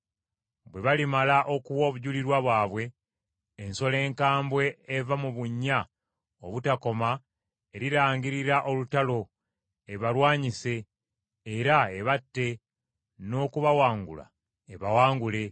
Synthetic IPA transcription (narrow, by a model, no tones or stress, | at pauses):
βwe̞βalimalaʔo̞kuwo̞ːβuɟuliɾwaβwaːβwe̞ː | nso̞le̞ːŋkaːmbwe̞evamuβuɲːa | oβutako̞ma | eɾiɾaːŋɡiɾiɾaʔo̞lutalo̞ | e̞βaɾwaːɲise̞ː | ɾaeβatːe̞ | no̞ːkuβawaːŋɡṵla̰ | eβawaːŋɡule̞